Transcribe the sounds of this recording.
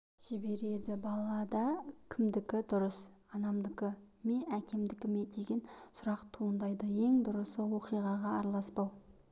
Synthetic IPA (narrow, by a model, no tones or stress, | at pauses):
ʒ̥ɪbe̞ɾe̞d̪ɪbɑlˠɑd̪ɑkʲʰɪmd̪ɪkʲɪd̪ʊɾəsɑnɑmd̪əkə | me̞ækʲe̞md̪ɪkʲɪme̞d̪e̞ɡʲensʊɾɑqt̪ʰuənd̪ɑjd̪əje̞ŋd̪ʊɾəsəwo̞qijʁɑʁɑːɾɑlˠɑspɑw